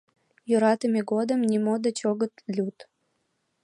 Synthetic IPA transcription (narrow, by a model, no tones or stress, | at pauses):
jøɾɑt̪əmʲeɡod̪əmnʲimod̪ət͡ɕoɣət̪lʲut̪